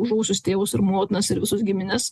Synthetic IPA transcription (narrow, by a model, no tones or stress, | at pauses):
ʊʒɐːsʲʊst̪ʲeːʋʊsɪɾmoːt̪ʲɪnɐsɪɾʋʲɪsʊsɡʲɪmʲɪnʲɪs